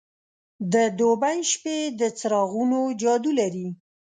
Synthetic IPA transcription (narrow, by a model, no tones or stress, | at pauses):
d̪əd̪obajʃped̪ət͡sɾɑɣunod͡ʒɑd̪ulaɾi